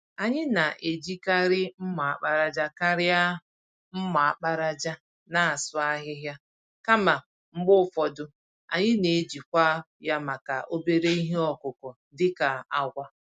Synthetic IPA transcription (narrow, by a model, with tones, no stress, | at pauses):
a˨ɲɪ˦na˨ʔe˨d͡ʒi˦ka˦ɾɪ˦m̩˦ma˨a˨k͡pa˦ɾa˨d͡ʒa˦ka˦ɾɪ˦a˦ | m̩˦ma˨a˨k͡pa˦ɾa˦d͡ʒa˦ | na˨a˨sʊ˦a˦ɦɪ˦ɦja˦ | ka˦ma˨ | ŋ͡m̩˦ɡ͡bʊ˦˨fɔ˨dʊ˦ | a̰˨ɲɪ˦ne˨d͡ʒi˨kʷa˦ | ja˦ma˨ka˨ʔo˦be˦ɾe˦i˦ɦe˦ɔ˨kʊ˨kʊ˨ | dɪ˦ka˨a˨ɡʷa˦